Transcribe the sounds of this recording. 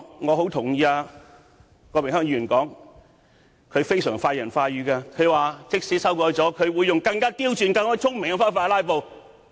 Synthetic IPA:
ŋɔː˨˧ɦo˨˥wt̪ʰʊ˨˩ŋjiː˨˧aː˧ | kɔː˧mɪ˨ŋhœː˥ŋjiː˧˨˩nkɔː˨˥ŋ | kʰɵ˨˧ɥfe˥jsœː˨˩ŋfaː˧jɐ˨˩nfaː˧jɥyː˨˧kaː˧kʰɵ˨˧ɥwaː˨t͡sɪ˥k̚siː˨˥sɐ˥wkɔː˧jt͡sɔː˨˥kʰɵ˨˧ɥwuː˨˧jːʊ˨ŋkɐ˧ŋkaː˥t̪iː˥wt͡ʃyː˧nkɐ˧ŋɔː˥t͡sʰʊ˥ŋmɪ˨ŋa˧faː˥nfaː˧a˧laː˥jp̬o˨˧w

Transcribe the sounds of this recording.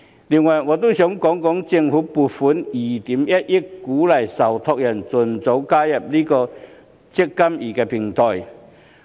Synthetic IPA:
li˨˩ŋwɐ˨˩jŋɔː˨˧t̪o˥wsœ˨˥ŋkɔː˨˥ŋkɔː˨˥ŋt͡sɪ˧ŋfuː˨˦˥pu˨˩t̚fu˨˥niː˨˩t̪iː˨˥mjɐ˦˥t̚jɪ˥kkːuː˨˥lɐ˨˩jsɐ˨˩wt̪ʰɔ˧k̚jɐ˨˩nt͡sʊ˨˩nt͡so˨˧˥wkaː˦˥jɐ˨p̚liː˥kɔː˧ | t͡sɪ˥kːɐ˥miː˨˩kɛː˧pʰɪ˨˩ŋt̪ʰɔː˨˩j

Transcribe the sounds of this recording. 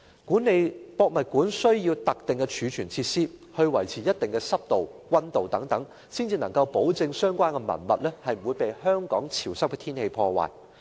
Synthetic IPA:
kuː˨˥nːe˨˧jpɔː˧k̚mɐ˨t̚kuː˨˥nsɵ˥ɥjiː˧wt̪ɐ˨k̚t̪ɪ˨ŋkɛ˧t͡ʃʰyː˨˧t͡ʃʰyː˨˩nt͡sʰiː˧tsiː˥hɵ˧ɥwɐ˨˩jt͡sʰiː˨˩jɐ˥t̚t̪ɪ˨ŋkɛ˧sɐ˥p̚t̪o˨wwɐ˥nt̪o˨wt̪ɐ˨˥ŋt̪ɐ˨˥ŋ | siː˥nt͡siː˧nɐ˨˩ŋkɐ˧wpo˨˥wt͡sɪ˧ŋsœː˥ŋkʷaː˥nkɛ˧mɐ̰˨˩nmɐ˨t̚lɛː˥hɐ˨jm̩˨˩wuː˨˧jpe˨jhœː˥ŋkɔ̰ː˨˥ŋt͡sʰi˨˩wsɐ˥pkɛ˧t̪ʰiː˥nhe˧jpʰɔː˧wa̰ː˨˩j

